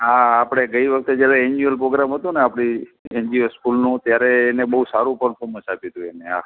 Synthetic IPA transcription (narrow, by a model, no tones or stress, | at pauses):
ɦaːpɽ̃eɡəiʋəkʰt̪ed͡ʒjaɾeeɲd͡ʒiəlpɾoɡɾamɦət̪ũneapɽ̃ieɲd͡ʒioskulnũt̪jaɾeːnebəɦusaɾũpəɳfʰoməʃapit̪ũeneɦa̰